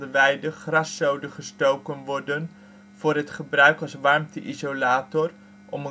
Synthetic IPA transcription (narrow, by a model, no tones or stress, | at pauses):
dəʋɛjdəχrɑsowdəχəstowkənʋɔɹdən | v̥ʊːrɦətχəbrœɥkɑlˠsʋɑɹmtəʔizolaːtɔr | ʔɔmə